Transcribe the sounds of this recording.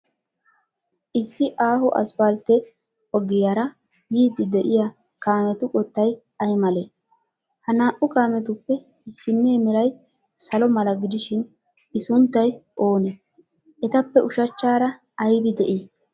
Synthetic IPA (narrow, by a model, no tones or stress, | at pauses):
ʔɪsːɪʔaːhʊʔɐ̰sbalt̪ːɛ | ɔɡɪjaːɾɐ | jiːd̪ɪd̪ɛʔɪja | kaːmɛt̪ʊkʼɔt̪ːɐj | ɐjmɐleː | hɐnaːʔʊkaːmɛt̪̬ʊpːɛ | ɪsːɪnːeːmɪɾɐj | sɐlɔmɐlɐɡɪd̪ɪʃɪn | ɪsʊnt̪ːɐjʔo̞ːnɛ | ʔɛt̪ɐpːɛʔʊʃɐt͡ʃːaːɾɐː | jbɪd̪ɛʔiː